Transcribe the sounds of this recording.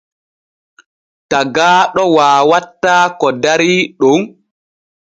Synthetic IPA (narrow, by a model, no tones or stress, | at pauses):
taɡaːɗɔwaːwatːaːkɔdaɾiɗon